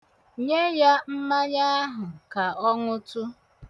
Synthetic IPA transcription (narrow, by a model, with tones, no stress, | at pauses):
ɲe˦ja˦m̩˦ma˦ɲa˦a˦ɦʊ˨ka˨ɔ˦ŋʊ˦tʊ˦